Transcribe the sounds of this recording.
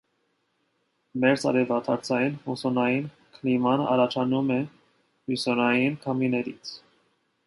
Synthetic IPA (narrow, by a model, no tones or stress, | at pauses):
mɛɾt͡sɑ̰ɾɛvɑt̪ʰɑɾt͡sʰɑjinhusɔnɑjin | kʰəlimɑnəɑɾɑt͡ʃʰɑnumɛ | musɔnɑjinkʰɑminɛɾḭt͡sʰ